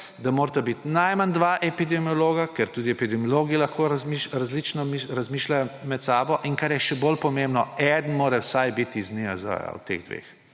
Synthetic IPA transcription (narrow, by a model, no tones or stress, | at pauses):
d̪amoːɾt̪abit̪najmand̪ʋaːʔɛpid̪ɛmiɔloːɡakɛɾt̪uːd̪iɛpid̪ɛmijɔloːɡiilɐxkoɾmiʃɾazlit͡ʃnɔmiɾɐzmiːʃlajɔmɛt̪saːbɔʔiŋkaɾjɛʃɛbolpɔmẽmbnɔɛd̪n̩moːɾɛwsajbit̪izniazɔ̰ja̰w̰t̪ḛɣd̪ʋḛːx